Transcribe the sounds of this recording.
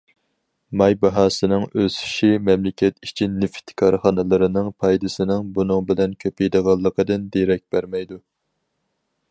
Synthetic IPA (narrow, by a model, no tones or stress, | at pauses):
mɑjbɑɦɑːsɨnɨŋøzi̥ʃimɛmlɪkʲʰɛt̪it͡ʃʰinːɪft̪ʰkʰɑɾχɑnɨlˠɨɾɨnɨŋpʰɑjd̪ɨsɨnɨŋbunɨŋbɪlɛnkʲʰøpejd̪əʁɑlˠːəqəd̪ɨnd̪eɾɛk̚ʲb̥æɾmɛjd̪u